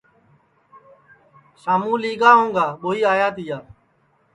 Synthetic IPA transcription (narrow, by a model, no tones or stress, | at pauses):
saːmũːliːɡaːɦõːŋɡaːɓoːiːaːjaːt̪ɪjaː